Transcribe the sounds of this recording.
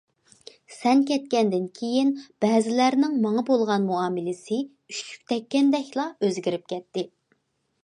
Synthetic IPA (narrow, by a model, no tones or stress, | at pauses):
sɛnkʲɛt̪̚kʲɛnd̪ɪnkʲʰejinb̥ɛːzɪlæɾnɪŋmɑŋɑbolˠʁɑnmuɑːmɪlɪsɪ | yt͡ʃy̥k̚ʲt̪ʰɛkʲːɛnd̪ɛkʲlˠɑøzɡʲiɾɪp̚kʲɛt̪ːɪ